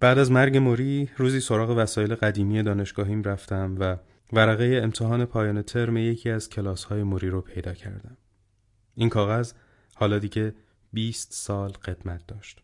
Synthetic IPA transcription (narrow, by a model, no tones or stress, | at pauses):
b̥æːd̪æzmæɾɟe̞moɾiːɾuːziːso̞ɾɒːɣe̞væsɒːje̞le̞ɣæd̪iːmije̞d̪ɒːne̞ʃɡ̥ɒːɦiːmræft̪æmvæ | væɾæɣeje̞ːmt̪ʰeɦɒːne̞pʰɒːjɒːne̞t̪ʰeɾmeje̞cʰiːæz̥cʰe̞lɒːshɒːje̞moɾiːɾopʰe̞jd̪ɒːcʰæ̰ɾd̪æm | iːnkʰɒːɣæz | hɒːlɒːd̪iːɟe̞ | biːst̪sɒːlɢe̞d̪mæt̪̚ʰd̪ɒːʃt̪